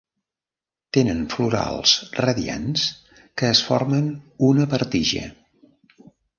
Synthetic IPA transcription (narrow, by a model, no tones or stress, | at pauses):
t̪enənfluɾa̰lˠsrəðia̰ns | kəːsfɔ̰ɾmənunəpəɾt̪iʒə̰